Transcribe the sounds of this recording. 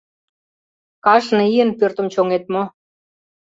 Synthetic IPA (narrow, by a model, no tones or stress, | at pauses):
kɑʃniənpørt̪ə̆mt͡ɕoŋet̪mo